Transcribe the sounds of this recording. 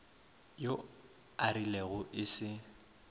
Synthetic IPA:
jo | aɾileɣʊʔɪsɪ

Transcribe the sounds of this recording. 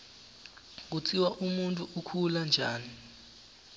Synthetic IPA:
k̬ut͡sʰʼiwaʔumuntʼuukʰuland͡ʒʱaːni

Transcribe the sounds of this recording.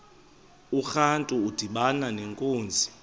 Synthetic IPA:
uxantʼuud̥ʱiɓananeŋkʼoːnd͡zʱi

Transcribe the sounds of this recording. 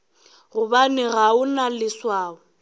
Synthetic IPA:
ɣʊbanɪɣaʊnalɪswaːʊ

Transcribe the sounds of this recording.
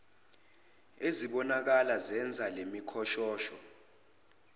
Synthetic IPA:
eziɓɔnak̬alazɛnd͡zʱalemikʰɔʃɔːʃɔ

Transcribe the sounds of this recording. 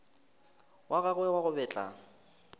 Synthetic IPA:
waɣaɣʊɛwaɣʊbɛːt͡ɬʼa̰

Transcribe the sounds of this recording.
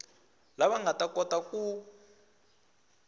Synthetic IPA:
laɓaŋatʼakʼɔtʼakʼu

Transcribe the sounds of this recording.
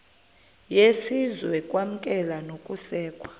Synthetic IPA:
jesizwɛkʼwam̩kʼɛlanokʼusɛːkʼwa

